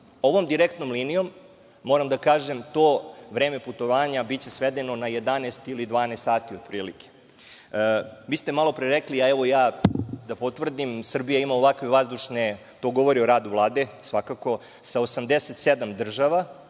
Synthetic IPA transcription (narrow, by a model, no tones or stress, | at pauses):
o̞ʋo̞md̪iɾekt̪nomliːnijo̞mː | oɾamd̪akaːʒemt̪oːʋɾeːme̞put̪o̞ʋaːɲabit͡ɕe̞sʋed̪e̞no̞naje̞d̪aneːst̪ilid̪ʋaːnest̪aːt̪iod̪pɾiːlike̥ | ʋiːst̪e̞malˠo̞pɾeɾekliaɛʋo̞jaːd̪apot̪ʋr̩d̪imsr̩bijaimaoʋakʋeʋazd̪uʃne | t̪o̞ɡo̞ʋo̞ɾioɾaːd̪uvlˠaːd̪e̞sʋakako̞ | saosamd̪eset̪sed̪amd̪r̩ʒaʋa